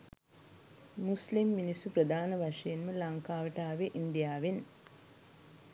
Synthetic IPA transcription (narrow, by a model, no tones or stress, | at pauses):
muslimːinisuprəd̪ʱaːnəʋaʂɐjenməlaŋkaːʋəʈaːʋeʔind̪ijaːʋen